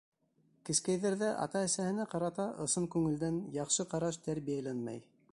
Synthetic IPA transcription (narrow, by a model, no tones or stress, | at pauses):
kɘ̆skæjðæɾðæʔɑ̰t̪ɑɘ̆sæhɘ̆næqɑɾɑt̪ɑʔŏsɤŋkʉŋɘ̆ld̪ænjɑqʃɤqɑɾɑʃt̪æɾβijælænmæ̰j